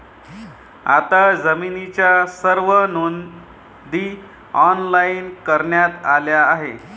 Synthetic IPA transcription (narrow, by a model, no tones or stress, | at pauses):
a̰t̪ad͡zəminit͡ɕjasəɾʋənon | d̪iː | ɔnlainkəɾɳjat̪aljaːɦe